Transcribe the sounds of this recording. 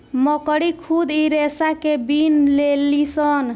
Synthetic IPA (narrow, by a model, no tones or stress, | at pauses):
məkɽikʰud̪iɾesakebinlelːisən